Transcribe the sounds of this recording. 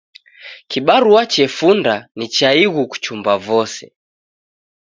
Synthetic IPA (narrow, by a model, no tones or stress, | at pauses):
kiɓaɾuat͡ʃɛfundanit͡ʃaiɣuku̥t͡ʃumbavɔsɛ̰